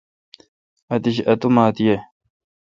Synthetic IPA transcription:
ɐt̪iɕɐt̪umaːt̪ije

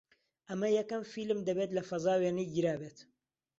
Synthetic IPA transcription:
ʔɐmɐjɐkɐmfilɨmd̪ɐbet̪lɐfɐzaːweːnijɡɨɾaːbeːt̪

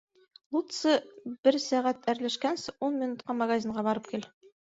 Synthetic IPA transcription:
lˠut̪sɤb̥ɘɾsæʁæt̪æɾlæʃkænsɘunmʲinut̪qɑmɐɡazʲiɴʁɑbɒɾɤp̚kil

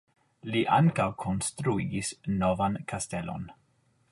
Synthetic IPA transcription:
liʔaŋkawkʰo̞nstɾuiɡisnovankʰastelo̞̰n

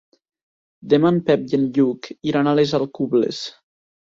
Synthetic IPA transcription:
d̪emanpɛp̚ʎenʎukiɾanalezalˠkublḛs

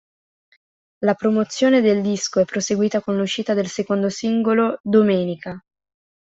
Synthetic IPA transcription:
lapɾomot̪sːjoːned̪eld̪iskoɛpːɾoseɡwiːt̪akonluʃiːt̪ad̪elsekond̪osiŋɡolod̪omeːnika

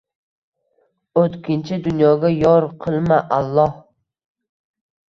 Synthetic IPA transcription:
ot̪kʲɪnt͡ʃʰɪd̪ʊnjɒɡʲajɒɾqʰɨlˠmaʔalˠːɒh

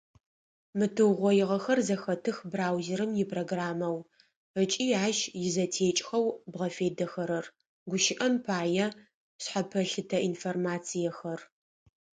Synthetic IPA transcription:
mɨtʰɨwʁʷɔjɪʁɐxɐrzɐxɐtʰɨxbraːwzeɾɨmjɪpʰroɡraːmɐw | ət͡ʃʼiːaːʃjɪzɐtʰeːt͡ʃʼxɐwbʁɐfeːdɐxɐɾɐr | ɡʷʊʃɪʔɐmpʰaːjɛ | ɕħapʰɐɬɨtʰɐʔinformaːt͡sʰijɛxɐr

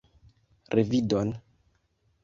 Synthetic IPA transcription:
ɾʔevidon

